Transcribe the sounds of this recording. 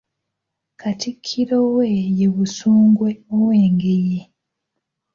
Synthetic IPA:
katikʰːiɾowejeβusuːŋɡweoweːŋɡeje

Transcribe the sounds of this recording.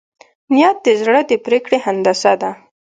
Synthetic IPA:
nijɑt̪̚d̪əzɽəd̪əpɾekɽehand̪asad̪a

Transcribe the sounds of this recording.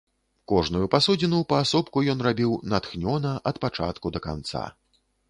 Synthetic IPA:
kɔʐnujupasɔd͡zʲinupɐːsɔpkujɔnrabʲiwnat̪xnʲɔnɐʔɐt̪pat͡ʂa̰t̪kud̪ɐka̰nt̪sa̰

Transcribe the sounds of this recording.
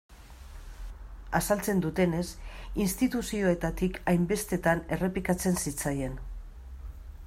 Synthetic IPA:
asalt͡se̞nd̪ut̪e̞ne̞sinst̪it̪usio̞e̞t̪at̪ikʰajmbe̞st̪e̞t̪ane̞re̞pikat͡se̞nsit͡saje̞n

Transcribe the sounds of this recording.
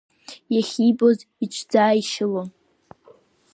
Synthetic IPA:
jaχʲibʼo̞zit͡ʃʷʰd͡zaːiʃɪlo

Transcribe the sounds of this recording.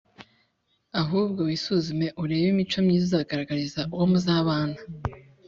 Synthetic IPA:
aɦuːbɡo̞wisuzume̞ʔuɾe̞ːβimit͡ʃomɲiːzizaɡaɾaɡaɾizaʔuwomuzaːβaːna

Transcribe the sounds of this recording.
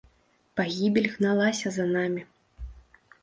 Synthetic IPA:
paɣʲibʲelʲɣnalˠasʲɐzɐnamʲi

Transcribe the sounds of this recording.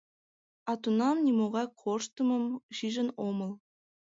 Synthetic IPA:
ɑt̪unɑmnʲimoʁɑkʰoʃt̪ɤ̆mɤ̆mʃiʒə̆nomɤ̆lˠ

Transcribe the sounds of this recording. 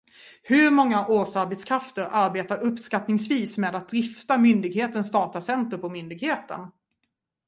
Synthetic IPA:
hɵɾmɔŋːaʔoːsaɾbɛt̪skʰɾaft̪əɾʔaɾbeːt̪aɾɵpːskat̪nɪŋsviːsmeːd̪at̪̚d̪ɾɪft̪amʏnd̪ɪɡheːt̪ənsd̪ɑːt̪asɛnt̪əɾpɔmʏnd̪ɪɡheːt̪ə̰n

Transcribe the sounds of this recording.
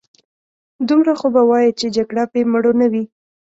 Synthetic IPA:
d̪umɾaxobawɑjit͡ʃed͡ʒaɡɽapeməɽonawi

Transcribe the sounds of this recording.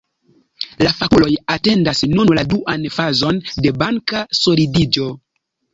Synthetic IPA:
lafakulo̞jate̞ndasnunladuʔanfazo̞nde̞baŋkaso̞lidid͡ʒo̞

